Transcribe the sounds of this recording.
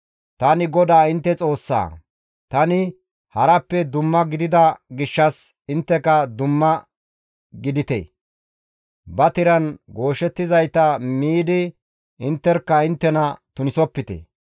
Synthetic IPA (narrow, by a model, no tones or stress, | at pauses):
t̪ɐnɪɡɔd̪aːɪnt̪ːɛt͡sʼo̞ːsːa̰ː | t̪ɐnɪ | hɐɾɐpːɛd̪ʊmːɐɡɪd̪ɪd̪ɐɡɪʃːɐs | ɪnt̪ːɛkɐd̪ʊmːɐ | ɡɪd̪ɪt̪ḛ | bɐt̪ɪɾɐnɡo̞ːʃɛt̪ːɪzɐjt̪ɐmiːd̪ɪ | ɪnt̪ːɛɾkːɐɪnt̪ːɛnɐt̪ʊnɪsɔpːɪt̪ḛ